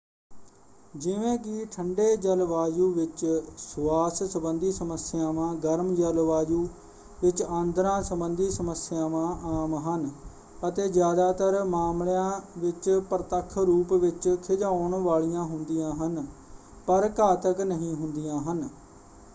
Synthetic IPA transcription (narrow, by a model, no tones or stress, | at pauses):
d͡ʒɪʋẽːkɪʈʰəɳɖeːd͡ʒəlʋaːd͡ʒuːʋɪt͡ʃsaːssəbənd̪iːsəməsɪjãːʋãːɡəɾmd͡ʒəlʋaːd͡ʒuː | ʋɪt͡ʃãːnd̪ɾãːsəbənd̪iːsəməsɪjãːʋãːʔaːmɦən | ət̪eːzjaːd̪aːt̪əɾmaːmljãːʋɪt͡ʃpəɾət̪əkʰːɾuːpʋɪt͡ʃkʰɪd͡ʒaːʊɳʋaːɭijãːɦʊnd̪ijãːɦən | pəɾkaːt̪əknəɦĩːɦʊnd̪ijãːɦən